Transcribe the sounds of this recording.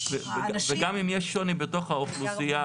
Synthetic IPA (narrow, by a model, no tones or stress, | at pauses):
veveɡamimjeʃːonibeto̞χhaoχlusia